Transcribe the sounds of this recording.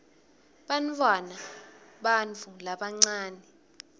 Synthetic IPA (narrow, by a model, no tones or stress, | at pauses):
ɓantʰʼwanaɓant͡fʰulaɓaŋ͡ǀaːnɛ